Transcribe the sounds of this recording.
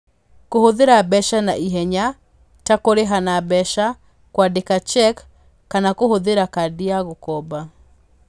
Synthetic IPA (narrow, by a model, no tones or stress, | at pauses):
kohoðeɾabɛʃana̰ʔiɦɛɲa | takoɾeɦanabɛʃa | kwadekat͡ʃɛkː | anakohoðeɾakadiaɣokɔba